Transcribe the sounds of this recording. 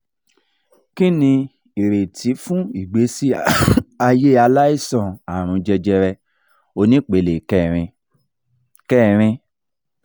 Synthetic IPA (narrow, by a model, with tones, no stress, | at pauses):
ki˦nĩ˧ | i˨ɾe˨tʰi˨˦fũ˦i˨ɡ͡be˨˦si˦a˧je˦˨a˧la˦i˦sɔ̃˨a˨ɾ̃ũ˨˧d͡ʒɛ˧d͡ʒɛ˧ɾɛ˧ | o˧nĩ˦k͡pe˨le˨kɛ˦˨ɾĩ˧ | kɛ˦˨ɾ̃ĩ˧